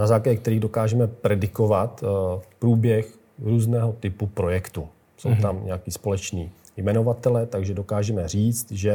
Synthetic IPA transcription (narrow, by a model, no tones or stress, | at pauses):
nazaːklaɟɛk̚t̪ɛɾiːɣdo̞kaːʒɛmɛpɾɛdɪko̞vat̪pɾuːbjɛx | ɾuːznɛːɦo̞t̪ɪpupɾo̞jɛkt̪u | sowt̪amɲɛ̰akiːspo̞lɛt͡ʃniː | jmɛno̞vat̪ɛlɛːt̪aɡʒɛdo̞kaːʒɛmɛr̝iːt͡st̪ʒɛ